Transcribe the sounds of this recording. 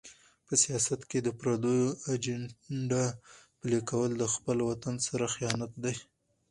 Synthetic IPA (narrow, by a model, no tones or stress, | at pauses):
pəsijɑsat̪ked̪əpɾad̪ojoad͡ʒaɖapəlekawəld̪əxpəlwat̪ansaɾaxijɑnat̪̚d̪aj